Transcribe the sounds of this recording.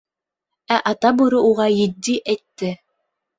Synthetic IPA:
æʔɑt̪abɯɾɯuʁɑjid̪ːiʔɛt̪ːɛ

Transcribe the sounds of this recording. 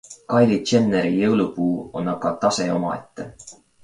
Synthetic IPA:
kɑjlit͡ʃenːeɾijɤwlupuːo̞nɑkɑt̪ɑse̞o̞mɑ̰e̞t̪ːe̞

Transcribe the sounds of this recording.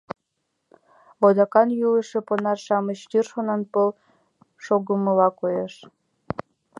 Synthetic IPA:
od̪ɑkɑnjuləʃĕponɑrʃɑmət͡ɕt̪yrʃonənpəl | ʃoɣəməlɑkojeʃ

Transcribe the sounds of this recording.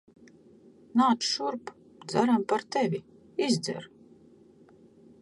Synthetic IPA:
naːt̪sʃuɾp | d̪zaɾampaɾt̪ɛvʲi | izd̪zɛ̰ɾ

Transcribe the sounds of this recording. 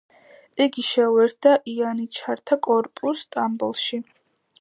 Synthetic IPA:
ɛɡiʃɛwɛɾd̪aʔianit͡ʃʰaɾt̪ʰakʼɔɾpʼust̪ʼambɔlˠʃi

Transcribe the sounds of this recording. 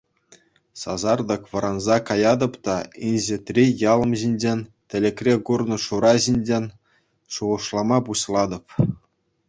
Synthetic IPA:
sɑ̰zɑrd̪ɤ̆kʋɤ̆ɾɑnzɑkɑjɑd̪ɤ̆pt̪ɑinʲʑĕt̪ʲrʲijɑlˠɤ̆mʑinʲd͡ʑenʲt̪ʲɘ̆lʲekrʲeɡurnɤ̆ʂuɾɑʑinʲd͡ʑenʲ | ʂuʁɤ̆ʂlˠɑmɑpuɕlˠɑd̪ɤ̆p

